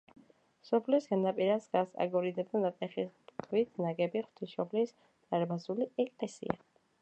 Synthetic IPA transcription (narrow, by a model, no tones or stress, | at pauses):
sɔpʰlisɡanapʼiɾasɡasa̰ɡɔɾid̪ɛb̚d̪anat̪ʼɛχispkʰvit̪ʰnaɡɛbiχwt̪ʰiʃɔpʰlis | t̪ʼaɾbazuliɛkʼlɛsḭa̰